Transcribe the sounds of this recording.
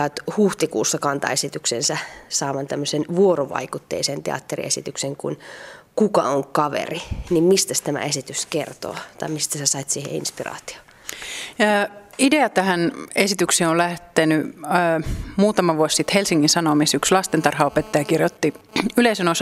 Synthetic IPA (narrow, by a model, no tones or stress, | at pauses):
ɑːt̪huht̪ikṵːsːɑkɑnt̪ɑ̰esit̪yksensæsɑːmɑnt̪æmːøsenʋuoroʋɑ̰ikut̪ːḛːsent̪eɑ̰t̪ːerḭesit̪ykseŋkṵnkukɑ̰oŋkɑʋḛrinimmist̪æst̪æmæ̰esit̪yskert̪o̰ːt̪ɑimist̪æsæsɑit̪siːhḛḭnspirɑ̰ːt̪i̥o̥ː | ide̞ɑt̪æhænesit̪ykseːolæht̪eny | muːt̪ɑmɑʋuossit̪helsiŋːinsɑnomisykslɑst̪ent̪ɑrhɑopet̪ːɑjɑkirjot̪ːiyleisenos